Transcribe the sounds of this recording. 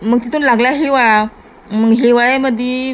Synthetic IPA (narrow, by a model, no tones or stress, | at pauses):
məɡ̚t̪it̪uːnlaɡljaɦeʋaɭa | məɡɦeʋaɭaməd̪ʱje